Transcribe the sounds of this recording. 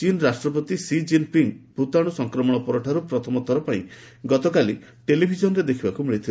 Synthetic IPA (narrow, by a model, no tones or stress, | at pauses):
t͡ʃinɾasʈɾɔp̬ɔt̪isid͡ʒinpiŋbʱut̪aɽ̃usɔŋkɾɔmɔɽ̃ɔpɔɾɔʈʰaɾupɾɔt̪ʰɔmɔt̪ʰɔɾɔpãĩ | ɡɔt̪ɔkali | ʈelibʱid͡ʒɔnɔɾed̪ekʰibakumiɭit̪ʰil